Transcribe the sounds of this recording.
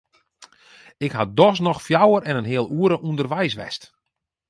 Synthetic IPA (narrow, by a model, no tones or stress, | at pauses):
ɪkhadɔs̬nɔxfjawərɛnənɦɪəlˠuəɾəʔundərʋɛjs̬ʋɛ̰st